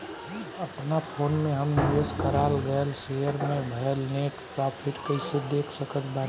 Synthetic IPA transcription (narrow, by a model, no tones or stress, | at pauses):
əpnapʰonmeɦəmniʋeskəɾalɡəelsejəɾmebʱəelneʈpɾapʰiʈkəɪsed̪ekʰsəkət̪ʰban